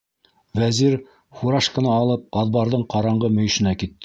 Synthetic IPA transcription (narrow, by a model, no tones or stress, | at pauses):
væziɾ | χuɾɑʃkɤ̆nɑːlˠɤp̚qɑðbɑɾðɤɴqɑɾɑɴɢɤmɵ̆jɵ̆ʃɘ̆nækit̪ːɘ